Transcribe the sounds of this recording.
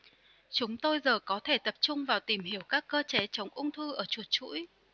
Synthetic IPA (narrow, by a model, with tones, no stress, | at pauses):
t͡ɕʊ˨˦ŋ͡mt̪o˧jzəː˨˩kɔ˨˦t̪ʰe˧˩t̪ə˨˩p̚t͡ɕʊ˧ŋ͡mvaː˨˩wt̪i˧˩mhi˧˩əwkaː˦˥kːəː˧t͡ɕe˨˦t͡ɕə˨˦wŋ͡mʔʊ˧ŋ͡mt̪ʰɨ˧ʔəː˧˩t͡ɕu˨˩ət̚t͡ɕṵ˧˥j